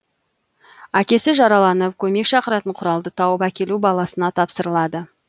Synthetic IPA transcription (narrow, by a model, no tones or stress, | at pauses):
ækʲe̞sɪʒɑɾɑlˠɑnəpkʲʰɵme̞kʃɑqəɾɑt̪əɴqʰʊɾɑlˠd̪ət̪ʰɑwəpækʲe̞lubɑlˠɑsənɑt̪ʰɑpsəɾəlˠɑd̪ə